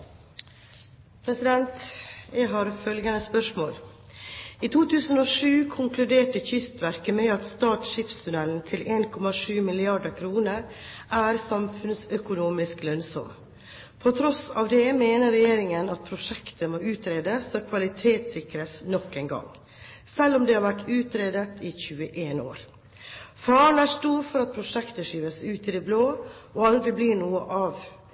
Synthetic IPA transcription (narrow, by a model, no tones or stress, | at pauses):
pʰɾɛsɪd̪ɛnt̪jæɪɦɑːɾfœlɡənəspœʂmoːl | iːt̪ʰuːt̪ʰʉːsənoːʂʉːkʰʊŋkʰlʉd̪eːʈəçʏst̪ʋæɾkəmɛɑt̪st̪ɑːʈʂɪfst̪ʰʉnɛln̩t̪ʰɪleːnkʰɔmɑʂʉːmɪlɪɑɖəkʰɾuːnəɾ | ʔæːɾsɑmfʉnsœkʊnuːmɪsklœnsɔ̰m | pʰɔt̪ʰɾɔsɑːʋd̪ɛmeːnəɾɛjeːɾɪŋənɑt̪̚pʰɾʊʂɛkt̪əmoːʉːt̪ɾeːd̪əsɑkʰʋɑlɪt̪ʰeːt̪sɪkɾəsnɔkːeːnɡɑ̰ŋ | sɛlːɔmd̪ɛhɑɾʋæʈʉːt̪ɾeːd̪ət̪içʉːəʔeːno̰ːɾ | fɑːəɳæːʂt̪uːɾfɔɾɑt̪̚pʰɾʊʂɛkt̪əʂiːʋəsʉːt̪ɪd̪ɛbloː | oɑld̪ɾɪbliːɳuːəʔɑʋ